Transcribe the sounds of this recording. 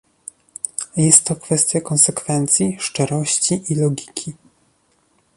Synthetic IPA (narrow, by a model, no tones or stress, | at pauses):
jɛst̪ːɔkfɛst̪ʲjakɔnsɛkfɛnt̪sʲjiʂt͡ʂɛɾɔɕt͡ɕiʔilɔɡʲi̥kʲʰi